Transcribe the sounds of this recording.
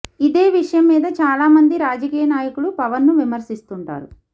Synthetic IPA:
id̪e̞ːʋiʂɐjɐmːiːd̪ɐt͡ʃaːlaːmɐnd̪iɾaːd͡ʒɐkiːjɐnaːjɐkuɽupɐʋɐnːuʋimɐɾsist̪uɳʈa̰ːɾu

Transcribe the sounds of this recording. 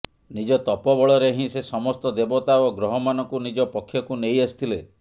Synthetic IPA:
nid͡ʒɔt̪ɔpɔbɔɭɔɾeɦĩsesɔmɔst̪ɔd̪ebɔt̪aoɡɾɔɦɔmanɔkunid͡ʒɔpɔkʰːjɔkunejesi̥t̪ʰile

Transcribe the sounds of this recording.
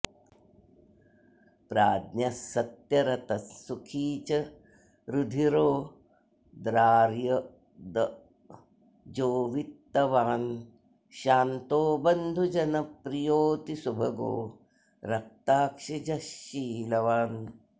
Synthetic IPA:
pɾaːd̪nɐsɐt̪jɐɾɐt̪ɐsukʰiːt͡ʃɐ | ɾud̪ʱiɾoː | d̪ɾaːɾjɐ | d̪ɐ | d͡ʒoːʋit̪ːɐʋaːn | ʃaːnt̪oːbɐnd̪ʱud͡ʒɐnɐpɾijoːt̪isubʱɐɡo̰ː | ɾɐk̚t̪aːkʂid͡ʒɐʃːiːlɐʋaːn

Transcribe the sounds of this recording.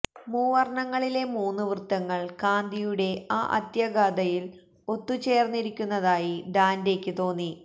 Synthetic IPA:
muːʋɐrɳɐŋːɐɭile̞muːnːuʋrɨt̪ːɐŋːɐɭkaːnd̪ʱijuɽe̞a̰ːʔɐ̰t̪jɐɡaːd̪ɐjil | o̞t̪ːut͡ɕe̞ːrnːiɾikʲːunːɐðaːjiɖaːnde̞ːkʲːɨt̪o̞ːnːi

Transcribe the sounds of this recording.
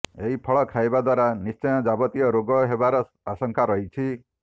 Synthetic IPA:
eɦipʰɔɭɔkʰajbad̪waɾanist͡ʃɔj̃ɔd͡ʒabɔt̪ijɔɾoɡɔɦebaɾɔ | asɔŋkʰaɾɔɦit͡ʃʰi

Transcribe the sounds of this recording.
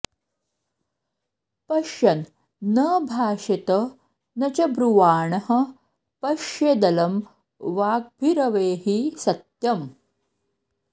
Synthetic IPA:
pɐʃjɐnː | ɐbʱaːɕɐt̪ɐ | nɐt͡ɕɐbɾuʋaːɳɐɦɐ̆ | pɐʂjed̪ɐlɐm | ʋaːɡ̚bʱiɾɐʋeːɦisɐt̪jɐm

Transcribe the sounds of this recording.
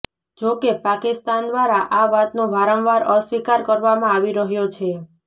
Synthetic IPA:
d͡ʒokepakist̪and̪ʋaɾaʔaʋat̪nobaɾə̃nʋaɾəsʋikaɾkəɾʋamãaʋiɾəɦjot͡ʃʰe

